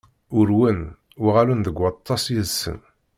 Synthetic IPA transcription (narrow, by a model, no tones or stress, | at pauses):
ʊɾwən | ʊʁalənðəɡʷːɑt̪ˤːɑsjizsə̰n